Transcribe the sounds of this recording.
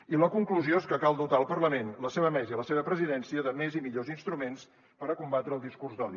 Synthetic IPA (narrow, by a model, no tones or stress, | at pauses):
iləkuŋkluzioeskəkalˠd̪ut̪aəlˠpərləmenləseβəmɛzəiləseβəpɾəziðɛnsiəðəmezimiʎozinst̪ɾumens | pəɾəkumbat̪ɾəːlˠd̪iskurzd̪ɔni